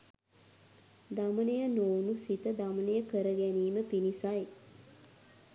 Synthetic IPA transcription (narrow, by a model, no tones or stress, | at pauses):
d̪amənejənownusit̪əd̪amənejəkəɾəɡæniːməpinisaj